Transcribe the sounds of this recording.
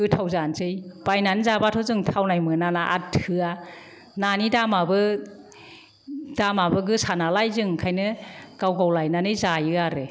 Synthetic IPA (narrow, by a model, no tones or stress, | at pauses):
ɡɯtʰawzanzɯjb̥ajnanzabatʰɔzɯŋtʰawnajmɯnanaʔa̰tʰɯa | nanidamabɯ | damabɯɡɯsanalajzɯŋkʰajnɯɡ̥awɡawlajnanɯjzajɯaɾe